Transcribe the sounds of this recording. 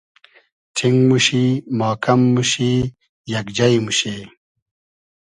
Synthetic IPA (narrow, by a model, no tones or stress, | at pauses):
tʰiŋɡmuɕimaːkɐmːuɕi | jɐkd͡ʑɐjmuɕeː